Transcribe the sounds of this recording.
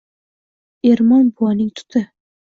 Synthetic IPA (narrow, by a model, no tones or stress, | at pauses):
eɾmɒnbʊwɒnɪŋt̪ʰʊ̥t̪ʰɪ